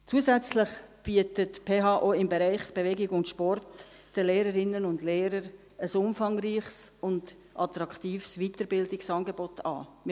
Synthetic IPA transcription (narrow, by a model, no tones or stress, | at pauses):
t͡suːəzɛt͡slɪχb̥iətətpʰeːɦɑːʔoːɪmbeɾæɪχb̥evɛɡɪɡʊntʃpɔrt | d̥əleːɾəɾɪnənʊndleːɾəɾ | əsʊmfɑŋriːχsʊnd | ʔɑtɾɑktiːfsvitəɾbɪldɪksɑːnɡebɔtʰɑ̰ːmɪ